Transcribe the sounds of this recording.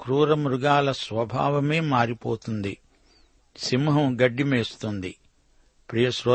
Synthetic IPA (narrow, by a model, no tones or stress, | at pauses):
kɾuːɾɐmɾuɡaːlɐsʋɐbʱa̰ːʋɐme̞ːmaːɾipoːt̪und̪i | simɦɐmɡɐɖːimeːst̪und̪i | pɾijɐsɾo